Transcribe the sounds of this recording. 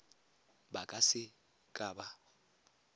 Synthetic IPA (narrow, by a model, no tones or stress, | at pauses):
bakʼasɪ | kʼaːba